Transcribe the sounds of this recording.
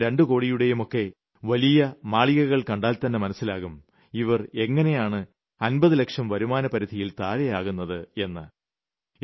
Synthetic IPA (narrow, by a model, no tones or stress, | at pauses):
ɾe̞ɳɖɨko̞ːɽijuɽe̞jumo̞kːe̞ | ʋɐlijɐmaːɭiɣɐɣɐɭkɐɳɖaːlt̪ɐnːemɐnɐsːilaːɣum | iʋɐre̞ŋːɐne̞jaːɳɨ | ɐnbɐðɨlekʂɐmʋɐɾumaːnɐpɐɾid̪ʱijilt̪aːɾɐjaːɣunːɐðɨe̞nːɨ